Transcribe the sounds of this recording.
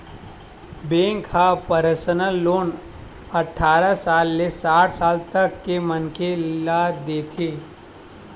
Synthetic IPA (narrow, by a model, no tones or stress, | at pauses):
bẽːŋkhapəɾəsənəːoːn | ɐʈʰːaːɾasaːlːesaːʈʰsaːlt̪əkːemənkelad̪eːt̪ʰeː